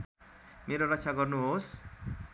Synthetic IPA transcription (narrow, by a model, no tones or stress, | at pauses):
meɾorʌkt͡sʰaɡʌrnuɦos